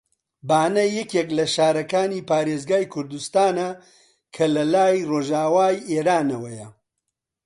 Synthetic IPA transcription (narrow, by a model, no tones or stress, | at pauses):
baːnɐjɛkeklɐʃaːɾɐkaːniːpaːɾeːzɡaːjkʰʊɾd̪ust̪aːnɐ | kʰɐlɐlaːjroːʒaːwaːjʔeːɾaːnɐwɐjɐ